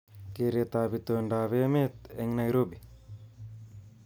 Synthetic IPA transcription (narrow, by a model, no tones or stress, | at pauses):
keɾet̪aːbit̪oɳɖaːβemet̪eŋnajɾobi